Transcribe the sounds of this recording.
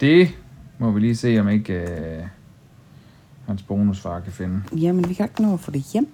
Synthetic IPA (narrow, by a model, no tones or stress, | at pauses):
d̥e̝mɒ̽ʋiliːse̝̰ːɒ̽me̝ɡ̥ | hænsb̥o̝ːnusfɑ̈ːkʰæfe̝nəjæmenʋikʰæeɡ̥no̰ːɐfɔd̥e̝jem̰